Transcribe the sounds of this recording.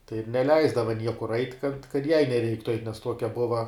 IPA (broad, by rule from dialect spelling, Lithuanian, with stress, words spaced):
tɐɪ ɪr nʲɛˈlʲɛɪzdɐʋɐ ˈnʲiɛkʊr ɐɪtʲ kɐt kɐt jɛɪ nʲɛˈrʲɛɪktʊ ɐɪtʲ nʲɛs ˈtuɔkʲɛ ˈbʊʋɐ